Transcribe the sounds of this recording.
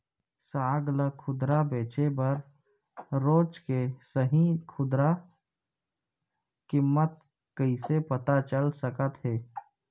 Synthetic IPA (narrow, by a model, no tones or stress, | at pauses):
saːɡləkʰʊd̪ɾabeːt͡ʃebəɾ | ɾoːd͡ʒkesəɦĩkʰʊd̪ɾa | kɪmːət̪̚ | kəisepət̪at͡ʃəlsəkət̪ɦɛː